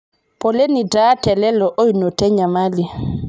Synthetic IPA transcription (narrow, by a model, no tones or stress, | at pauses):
pɔlenidatɛlɛlɔʔɔjnɔtɛɲamali